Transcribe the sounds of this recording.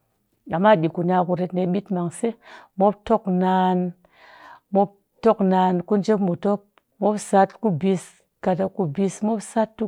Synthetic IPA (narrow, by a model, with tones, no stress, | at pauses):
a˨mːa˦˨ɓi˨ku˨na˨ku˨ɾe˧tne˨ɓi˦tma˨ŋse˦mo˦p̚to˦kna˧n | mo˦p̚ | to˦kna˧nku˦nd͡ʒe˦pmu˨to˦p̚ | mo˦psa˦tku˦bi˨˧s | ka˨ta˨ku˨bi˧smo˦psa˦tːu˦